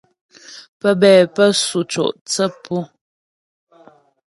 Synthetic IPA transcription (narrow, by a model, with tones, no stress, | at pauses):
pə˦bɛː˨pə˦su˨t͡ʃo̰˨ʔt͡sə˦pʰu˦